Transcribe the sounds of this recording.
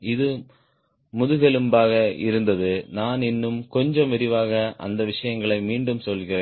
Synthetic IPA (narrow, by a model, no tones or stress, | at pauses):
ɪðɯ | mʊðɯɣɛlɯmbaːɣɐɪ̰ɾɯnd̪ɐðɯnaːnɪnːɯmkɔɲd͡ʒɐmʋɛɾɪʋaːɣɐʔɐ̰nd̪ɐʋɪʂɐjɐŋɡɐɭɐɪmiːɳɖɯmsɔlɣɪreː